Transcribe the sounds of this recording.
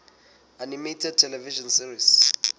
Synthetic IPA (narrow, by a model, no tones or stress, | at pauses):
animetʰɛd̚tʰɛlɛviʒɔnsiris